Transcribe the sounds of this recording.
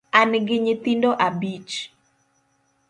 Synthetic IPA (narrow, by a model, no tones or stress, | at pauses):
anɡɪɲɪt̪indoʔabit͡ʃ